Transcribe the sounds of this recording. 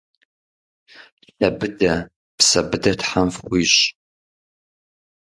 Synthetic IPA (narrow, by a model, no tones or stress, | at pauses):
ɬɐbɨdɐ | psɐbɨdɐtħamfχʷiːɕ